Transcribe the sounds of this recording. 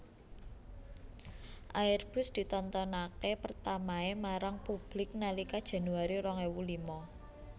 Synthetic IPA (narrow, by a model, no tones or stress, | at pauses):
ʔaɪrb̥ʊ̤sd̪̥i̤t̪ɔnt̪ɔnakepərt̪amaemaɾaŋpub̥lɪk̚nalikad̥ʒ̥a̤nuaɾiɾɔŋewulimɔ